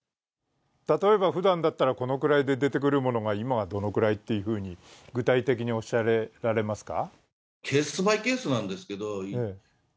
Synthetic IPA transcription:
t̪at̪o̞e̞baɸɯd̪ãnd̪at̪ːaɾako̞no̞kɯ̟ɾaid̪e̞d̪e̞t̪e̞k̬ɯ̟ɾɯ̟mo̞no̞ɡaimaɡad̪o̞no̞kɯ̟ɾait̪ːe̞jɯ̟ɸɯ̟ːɲ̟iɡɯ̟t̪ait̪e̞kʲiɲ̟io̞ɕaɾeɾaɾe̞masɨ̥ka̰ | kʰe̞ːsɨ̥t͡sɨbaike̞ːsɨnãnd̪esɨ̥ke̞d̪oeː

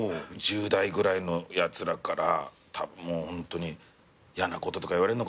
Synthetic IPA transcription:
d͡ʑɨːd̪aiɡɯ̟ɾaino̞jat͡sɨɾakaɾa̰ | t̪ʰabmoːhõ̞nt̪o̞ɲ̟i | janako̞t̪o̞t̪o̞kaiβaɾeɯnok

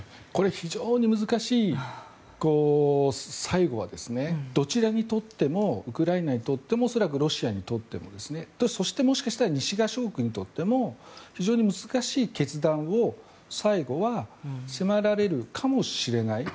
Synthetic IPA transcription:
ko̞ɾe̞çiʑo̞ːɲ̟imɯzɨkaɕiː | ko̞ː | saiɡo̞β̞a̰d̪e̞sɨne̞d̪̥o̞t͡ɕiɾaɲ̟it̪o̞t̪ːe̞mo̞ɯkɯ̟ɾainaɲ̟it̪o̞t̪ːe̞mo̞ːso̞ɾak̬ɯ̟ɾo̞ɕiaɲ̟it̪o̞t̪ːe̞̰mo̞d̪e̞sɨne̞d̪̥oso̞ɕi̥t̪e̞mo̞ɕi̥kaɕi̥t̪aɾaɲ̟iɕiɡaɕo̞ːkɯ̟ɲ̟it̪o̞t̪ːe̞mo̞çiʑo̞ːɲ̟imɯ̟zɨkaɕiːke̞t͡sɨd̪ão̞ | saiɡo̞βasemaɾaɾe̞ɾɯ̟kʰamo̞ɕiɾe̞nai

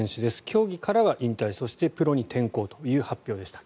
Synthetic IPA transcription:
ẽɕɨd̪e̞sɨ̥kʲʰo̞ːɡʲikaɾaβaʔĩnt̪aiso̞ɕi̥t̪e̞pɯ̟ɾo̞ɲ̟it̪ʰẽ̞ŋko̞ːt̪o̞jɯ̟ːhapʲːjo̞ːd̪e̞ɕi̥ḁ

